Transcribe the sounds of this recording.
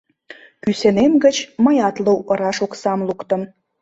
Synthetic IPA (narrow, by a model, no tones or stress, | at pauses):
kysenemɡət͡ɕməjɑt̪luwəɾɑʃoksɑmlukt̪ə̆m